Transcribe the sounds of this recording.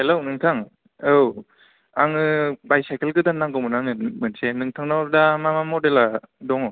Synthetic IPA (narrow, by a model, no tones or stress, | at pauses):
helownɯŋtʰaŋ | ɯw | aŋɯbajsajkelɡɯdanːaŋɡɔmɯnaŋɯmɯnsenɯŋtʰaŋnawdamamamɔdeladɔŋɔ